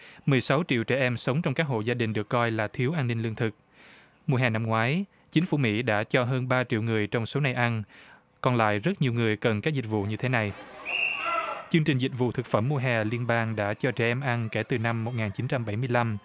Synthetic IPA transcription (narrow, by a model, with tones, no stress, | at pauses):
mɨ˨˩əjsa˨˦wt͡ɕḭ˧˨wt͡ɕɛ˧˩ʔɛ˧msə˨˦wŋ͡mt͡ɕɔ˧wŋ͡mkaː˦˥k̚ɦo̰˧˨zaː˧ɗï˨˩ŋ̟ɗɨ˨˩əkːɔ˧jlaː˨˩t̪ʰi˨˦əwʔaː˧nːï˧ŋlɨ˧əŋt̪ʰɨ˨˩k̚ | mu˧əɦɛ˨˩na˧mŋwaː˨˦j | t͡ɕï˨˦ŋ̟fu˧˩mḭ˧˥ɗa̰ː˧˥t͡ɕɔ˧ɦəː˧nɓaː˧t͡ɕḭ˧˨wŋɨ˨˩əjt͡ɕɔ˧wŋ͡mso˨˦na˨˩jʔa˧n | kɔ˧nla̰ː˧˨jzə˦˥t̚ɲi˨˩əwŋɨ˨˩əjkə˨˩nkaː˦˥k̚zï̟˨˩vṵ˧˨ɲɨ˧t̪ʰe˨˦na˨˩j | t͡ɕɨ˧əŋt͡ɕï˨˩ŋ̟zi˨˩vṵ˧˨t̪ʰɨ˨˩k̚fə˧˩mːu˧əɦɛː˨˩li˧ənɓaː˧ŋɗa̰ː˧˥t͡ɕɔ˧t͡ɕɛ̰˧˩ʔɛ˧mʔa˧nke˧˩t̪ɨ˨˩na˧mːo˨˩t̚ŋaː˨˩nt͡ɕi˨˦nt͡ɕa˧mɓa˧˩jmɨ˧jla˧m